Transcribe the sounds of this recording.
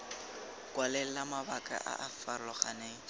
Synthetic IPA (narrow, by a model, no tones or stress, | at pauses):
kʼwalɛl̩amabakʼa̰ʔa̰ʔafarlɔχaneːŋ̩